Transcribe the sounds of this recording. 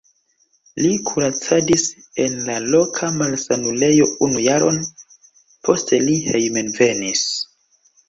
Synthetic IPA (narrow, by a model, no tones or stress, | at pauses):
likʰuɾat͡sadis | e̞nlalo̞kʰamalsanule̞jo̞unujaɾo̞̰n | pʰo̞ste̞lihe̞jmenve̞nis